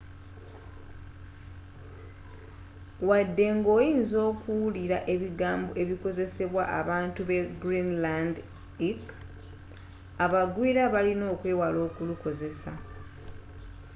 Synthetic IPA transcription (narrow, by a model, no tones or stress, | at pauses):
wadːe̞ŋɡo̞ːjiːnzo̞ːkuwuliɾaʔe̞βiɡaːmbo̞ʔe̞βiko̞ze̞se̞βwaʔaβaːntuβe̞ɡɾinland | ik | aβaɡwiːɾaβalino̞ːkwe̞ːwalo̞ːkuluko̞ze̞sa̰